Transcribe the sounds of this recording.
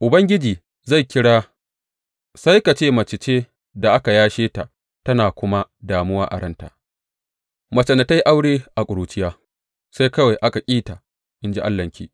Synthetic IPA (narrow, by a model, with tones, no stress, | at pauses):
ʔʊ˨bɐ˦ŋɡʲɪ˦d͡ʒiː˨ | za˦˨jkʲɪ˦ɽaː˦ | sa˦jka˨t͡ʃeː˦˨mɐ˨t͡ʃɪ˨t͡ʃeː˦ | da˨ʔa˦ka˨jaː˦ʃeː˦ta˨ʔ | tɐ˦naː˨kʷʊ˦ma˦daː˨mʊ˦waː˦ʔa̰˨ɽɐ˦nta̰˨ʔ | mɐ˨t͡ʃɐ˨nɐ˨ta˦jʔa˦wɽeː˦ʔa˨kʷʼʊ˨ɾuː˨t͡ʃɪ˦jaː˦ | sa˦jkɐ˦wa˨jʔa˦ka˨kʲʼiː˦ta˨ | ʔɪ˦nd͡ʒi˦ʔa̰˦lːɐ˨ŋkʲḭː˦